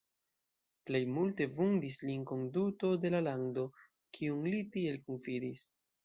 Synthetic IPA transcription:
ple̞jmulte̞vundislinko̞nduto̞de̞lalando̞ | kʰiunlitie̞lkonfidis

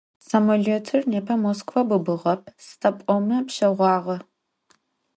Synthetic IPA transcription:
sɐmoɮoːtʰɨrneːpʰɐmoːskʰʼvɐbɨbɨʁɐp̚ʰstʰʼɐpʷʼɔmɐpɕɐʁʷɑːʁɐ

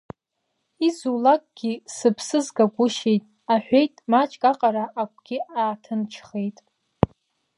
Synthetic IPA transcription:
izulakʼɡ̥ʲisɨpʰsɨzɡaɡʷʼʊʃe̞jtʼ | aħʷᶣejtʼmat͡ʃʼkʼaqʼaɾaʔakʷʰʼɡ̥ʲiaːtʰɨnt͡ʃʰχe̞jtʼ

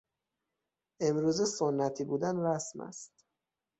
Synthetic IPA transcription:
ʔe̞mɾuːzesonːæt̪ʰiːbuːd̪ænɾæsmæ̰st̪

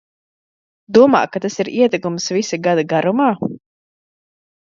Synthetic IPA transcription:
d̪uɔma̰ːkːat̪asiɾiɛt̪ɛkumsvisaɡad̪aɡaɾumaː

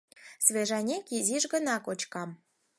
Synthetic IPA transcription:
svʲeʒɑnʲekiziʒɣənɑkot͡ɕkɑm

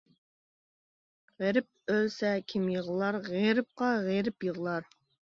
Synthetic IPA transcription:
ʁeɾɪp̚ølsɛkʲʰimjəʁəlˠɑɾʁeɾɪp̚qɑʁeɾɪpjəʁlˠɑɾ

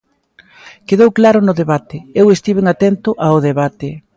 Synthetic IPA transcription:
keðowklaɾʊnʊðeβat̪ɪewest̪iβeŋat̪ent̪ʊʔaʊðeβat̪ɪ

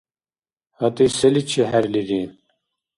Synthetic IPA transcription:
hɐt̪isɐlit͡ɕʰiɦaɾliɾiːn

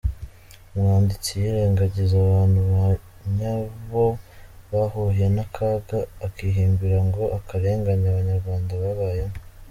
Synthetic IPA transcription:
umŋaːndit͡sijiɾeːŋɡaɟizaβaːnhuβa | ɲaβoβahuhije̞nakʰaːɡaːkiɦiːmbiɾaŋɡo̞ʔakaɾe̞ːŋɡaɲaβaɲaɾɡwaːndaβaβaːjemo

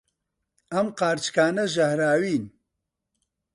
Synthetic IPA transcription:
ɐmqaːɾt͡ʃkaːnɐʒɐhɾaːwiːn

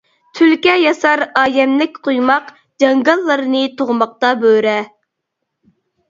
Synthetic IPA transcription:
t̪ʰylkʲɛjɑsɑɾɑːjɛmlɪkʲqʰojmɑq | d͡ʒɑŋɡɑlˠːɨɾɨnɨt̪ʰoʁmɑq̚t̪ɑbøɾɛ

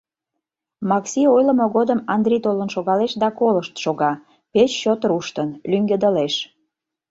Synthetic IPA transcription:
mɑksʲiojlə̆moɣod̪əmɑnd̪rʲit̪olənʃoɣɑleʃd̪ɑkoləʃt̪ʃoɣɑ | pet͡ɕːot̪ɾuʃt̪ənlyŋɡed̪əleʃ

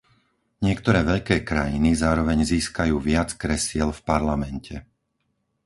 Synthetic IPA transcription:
ɲɪɛkt̪ɔɾɛːʋɛʎkɛːkɾajinizaːɾɔʋɛɲziːskajuːʋɪat͡skɾɛsɪɛlfpaɾlamɛncʰɛ

